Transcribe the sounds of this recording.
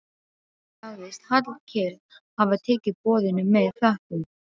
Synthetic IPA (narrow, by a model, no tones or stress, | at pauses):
θaɣðɪst̪hat̪lcʰɛɾð | havaðt̪ʰɛːcɪðpɔːðɪnʏmːɛðflahpʏm